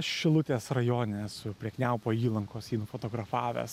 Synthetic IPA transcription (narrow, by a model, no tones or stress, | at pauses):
ʃʲɪlˠʊt̪ʲeːsrɐjoːnʲesʊpʲɾʲiɛknʲɛʊpoːiːlˠɐŋkoːsiːnʊfoːt̪oːɡɾɐfɑːʋʲɛ̰ːs